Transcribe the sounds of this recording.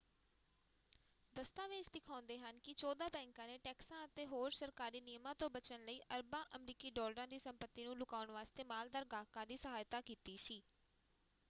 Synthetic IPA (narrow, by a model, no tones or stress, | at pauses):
d̪əst̪aːʋɪt͡ʃd̪ɪkʰaːʊ̃nd̪eːɦənkɪt͡ʃɔːd̪aːpɛ̃ːŋkãːneːʈɛːksãːət̪eːɦoːɾsəɾkaːɾiːnijmãːt̪õːbət͡ʃənləiːʔəɾbãːʔəmɾiːkiːɖɔːləɾãːd̪iːsəmpət̪ːiːnũːlʊkaːʊənʋaːst̪eːmaːld̪aːɾɡaːkãːd̪iːsəɦaːjt̪aːkiːt̪iːsiː